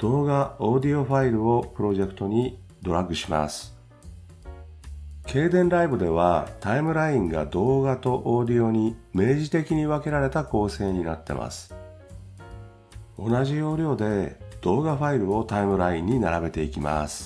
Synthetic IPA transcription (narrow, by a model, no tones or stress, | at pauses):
d̪̥o̞ːɡaod̪io̞ɸaiɾɯ̟o̞pɯ̟ɾo̞ʑe̞kɯ̟̥t̪o̞ɲ̟i | d̪o̞ɾaɡɯ̟ɕima̰sɨ̥ | kʰe̞ːd̪ẽ̞nɾaibɯd̪e̞β̞at̪aimɯ̟ɾaĩŋɡa̰d̪o̞ːɡat̪o̞ʔoːd̪ʲio̞ɲ̟ime̞ːʑit̪e̞kʲiɲ̟iβake̞ɾaɾe̞t̪ako̞ːse̞ːɲ̟inat̪ːe̞̰mʔa̰sɨ̥ | o̞naʑio̞ːɾʲo̞ːd̪e̞d̪̥o̞ːɡaɸaiɾɯ̟o̞t̪aimɯ̟ɾaĩɲ̟ːinaɾabe̞t̪e̞ikʲima̰sɨ̥